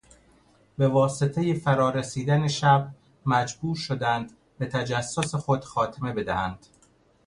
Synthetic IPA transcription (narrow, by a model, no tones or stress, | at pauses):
be̞vɒːse̞t̪ʰe̞jefæɾɒːɾesiːd̪æneʃæb | mæd͡ʒbuːɾʃod̪ænd̪ | bet̪ʰæd͡ʒæsːosexod̪̥xɒːt̪ʰeme̞be̞d̪æhænd̪̥